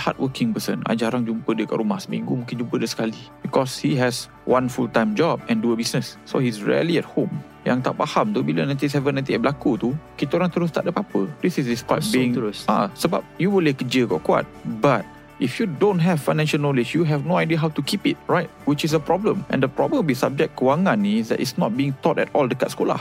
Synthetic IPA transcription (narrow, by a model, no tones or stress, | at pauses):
ha̰t̚wəkɪ̃ŋpəsə̰̃na̰d͡ʒaɾaŋd͡ʒumpədiəka̰ʔɾumahsə̥mḭ̃ŋɡumuŋkɪ̃nd͡ʒumpədiəsə̥kalibikɔshiɦɛs | wʔãnfultãj̃md͡ʒɔbɛ̃nduəbisnəsːo̰hisɹḭə̰liɛt̚hõm | jãŋt̪aʔ̚pahamt̪ubilənãj̃t̪is̬ɛvə̃nãt̪iɛbəlakut̪ukit̪əoɾãŋt̪əɾʊs̬t̪a̰ʔdəpapədisisdispabiĩŋsa̰səba̰p̚juwilekəd͡ʒəɡɔ̰ʔkwa̰t̚bat̚ | ʔifjudõntɦɛv̥fajnɛ̃nʃəlnolɪd͡ʒjuɦɛvnoajdiəɦawtukʰipit̚ɹajt̚wit͡ʃis̬əpɹɔblə̃mʔɛ̰̃ndəpɹɔbə̃mbisab̚d͡ʒɛk̚t̚kəwaŋãnisdɛ̰tḭsnɔ̰t̚biɪ̃ŋt̪ɔtɛ̰tɔldəkatskola̰h